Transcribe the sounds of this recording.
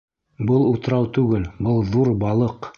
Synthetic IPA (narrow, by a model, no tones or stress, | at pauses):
bɤlˠut̪ɾɑwt̪ʉɡɘlbɤlˠðuɾbɑlˠɤq